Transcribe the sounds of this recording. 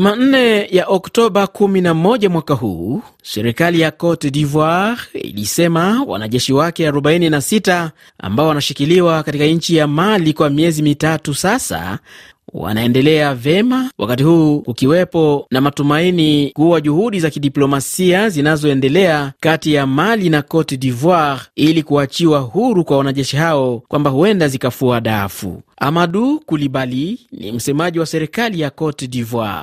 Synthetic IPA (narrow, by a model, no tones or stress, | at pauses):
uman̩nɛjaʔɔktɔɓakuminamɔʄamwakaɦṵːsɛɾikalijakɔtɛdivwaɾḭlisɛmawa̰naʄɛʃiwakɛaɾɔɓaininasita | a̰mbaɔwanaʃikiliwakatikaɲ̩t͡ʃijamalikwamiɛzimitatusasa̰ | wa̰naɛndɛlɛavɛmawʔa̰katihuːkukiwɛpɔnamatumainikuwaʄuhuɗizakiɗiplɔmasiazinazɔɛndɛlɛakatijamalinakɔtɛɗivwaɾilikuat͡ʃiwahuɾukwawanaʄɛʃiɦaɔkwambahuɛndazikafuaɗafṵa̰maɗukuliɓalinḭm̩sɛmaʄiwasɛɾɛkalijakɔtɛɗivwa̰